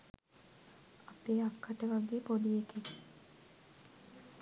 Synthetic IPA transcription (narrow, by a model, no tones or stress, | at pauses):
apeːakːaʈəʋaɡeːpodijekek